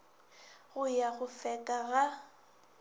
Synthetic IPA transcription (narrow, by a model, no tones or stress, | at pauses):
ɣʊjaɣʊfɛkʼaɣa